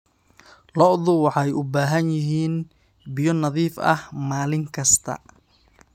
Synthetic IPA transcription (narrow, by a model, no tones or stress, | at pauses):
lɔʔðʊwɑħɑjʊbaːɦɐnjɪɦiːn | bɪjɔnɐðiːfɐ̰hmaːlɪŋkʰɐst̪ʰɐ̰